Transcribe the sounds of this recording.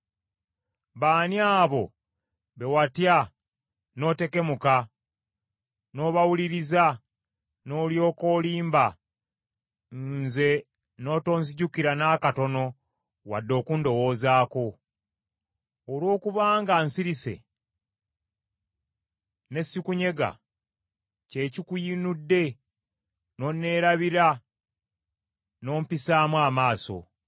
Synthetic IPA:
βaːniaːβo̞ | βe̞watja | no̞ːte̞ke̞muka | no̞βawuliɾiza | no̞ljo̞ːko̞ːliːmba | nze̞ | no̞ːto̞ːnziɟukiɾanaːkato̞no̞ | wa̰dːo̞ːkundo̞woːzaːko̞ | lwo̞ːkuβaːŋɡansiɾise̞̰ | ne̞sːikuɲe̞ɡa̰ | ce̞ːcikujinudːe̞ | no̞nːe̞ːɾaβiɾa | no̞ːmpisaːmwaːmaːso̞̰

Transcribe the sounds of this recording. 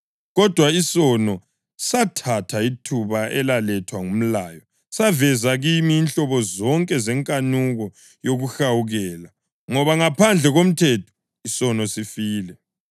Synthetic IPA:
ɣɔd̥ʱwaisɔnɔ | satʰatʰaitʰuβaʔɛlalɛtʰwaŋum̩laːjɔ | savɛzaɣimiːnɬɔβɔzɔŋkʼɛzɛŋkʼanuɣɔ | joɣuxawuɣɛːla | ŋɔβaŋapʰand͡ɮʱɛɣom̩tʰɛtʰɔ̥ | isɔnɔsifiːlɛ

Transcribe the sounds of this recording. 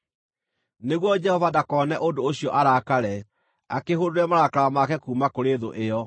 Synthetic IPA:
neɣwɔd͡ʒɛhɔvadakɔːnɛʔodooɕijɔʔaɾakaɾɛ | akeɦoɾoɾɛmaɾakaɾamakɛkuːmakoɾeðo̰ʔejɔ

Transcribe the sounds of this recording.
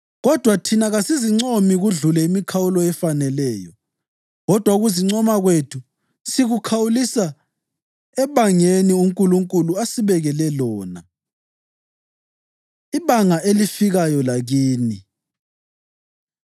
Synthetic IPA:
ɣɔd̥ʱwatʰinaɣasiziŋ͡ǀomiɣuɮulɛimikʰawulɔɛfanɛlɛːjɔ | ɣɔd̥ʱwauɣuziŋ͡ǀɔmaɣwetʰu | siɣukʰawulisa | ɛβaŋeniuŋkʼuluŋkʼuluasiβɛɣɛlɛlɔːna̰ | iβaŋaʔelifiɣajɔlaɣiːni

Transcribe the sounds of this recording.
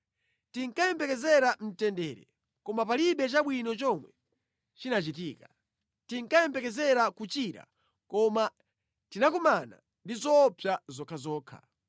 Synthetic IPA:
tiŋkajɛmpɛkɛzɛɾam̩tɛndɛːɾɛ̰ | kɔmapaliɓɛt͡ʃaɓwinɔt͡ʃɔmwɛ̰ | t͡ʃinat͡ʃitiːka | tiŋkajɛmpɛkɛzɛɾakut͡ʃiɾa̰ | kɔma | tinakɔmana̰ | ndizɔpʰjazɔkʰazɔːkʰa̰

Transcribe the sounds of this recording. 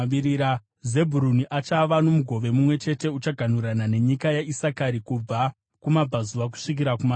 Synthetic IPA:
iɾiɾa | ze̞bʱuɾuniʔat͡ʃaʋano̞muɡʱo̞ʋe̞mumwe̞t͡ʃe̞te̞ut͡ʃaɡʱan̤uɾanane̞ɲikajaisakaɾikub͡va | kumab͡vʱazuʋak̬u̥ʂik̬iɾakuma

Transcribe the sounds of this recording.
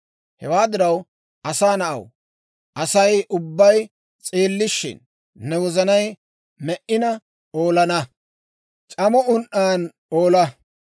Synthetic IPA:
hɛ̰waːd̪ɪɾɐw | ʔɐsaːnɐʔɐ̰w | ʔɐsɐjʔʊbːɐj | t͡sʼeːlːɪʃːɪ̰nː | ɛwɔzɐnɐj | mɛʔɪnɐ | o̞ːlɐnɐ | t͡ʃʼɐmɔʊnʔaːn | oːlɐ

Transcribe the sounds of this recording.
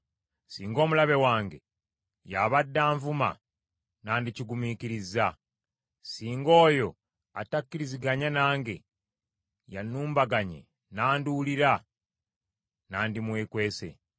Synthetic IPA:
siːŋɡo̞ːmulaβe̞waːŋɡe̞̰ | jaβadːaːɱvuma̰ | naːndiciɡumikiɾiza | siːŋɡo̞ːjo̞ | a̰takːiɾiziɡaɲanaːŋɡe̞ | januːmbaɡaɲe̞̰ | naːnduːliɾa | naːndimwe̞ːkwe̞ːse̞̰

